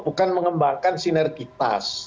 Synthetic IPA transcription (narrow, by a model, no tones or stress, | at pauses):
bukanməŋəmbaŋkansinɛrɡit̪a̰s